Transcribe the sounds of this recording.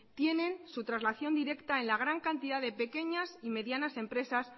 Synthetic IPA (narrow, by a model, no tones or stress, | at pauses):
t̪je̞nẽ̞nsut̪ɾazlaθjo̞nd̪iɾe̞kt̪ae̞nlaɣ̞ɾaŋkant̪iðaðe̞pe̞ke̞ɲasime̞ðjanase̞mpɾe̞sas